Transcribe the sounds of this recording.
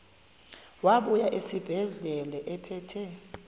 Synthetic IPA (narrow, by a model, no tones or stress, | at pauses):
waɓujaʔesib̥ʱɛɮɛlɛʔɛpʰɛːtʰɛ